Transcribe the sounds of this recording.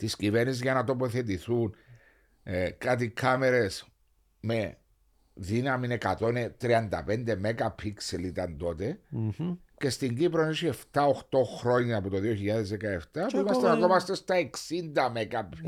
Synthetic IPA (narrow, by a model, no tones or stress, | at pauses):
t̪iscive̞ɾnisizʝɐnɐt̪o̞poθe̞t̪̬iθun | kɐt̪ikʰɐme̞ɾe̞s | me̞ | ðinɐminekɐt̪o̞net̪ɾiɐnd̪ɐ̰pe̞nd̪e̞me̞kɐpʰikselit̪ɐnd̪o̞t̪e̞ | ce̞st̪iɲɟipɾonosie̞ft̪ɐoxt̪o̞xɾo̞ɲːɐːpot̪o̞ðioçiʎːɐðe̞zðekɐeft̪ɐpuimɐsst̪enɐkomɐst̪est̪ɐe̞ksind̪ɐmekɐp